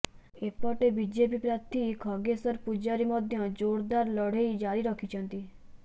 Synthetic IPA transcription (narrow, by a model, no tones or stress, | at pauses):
ek̚pɔʈebid͡ʒepipɾat̪ʰikʰɔɡesɔɾpud͡ʒaɾimɔd̪ʱjɔd͡ʒoɽd̪aɾlɔɽ̤eid͡ʒaɾiɾɔkʰit͡ʃʰɔnt̪i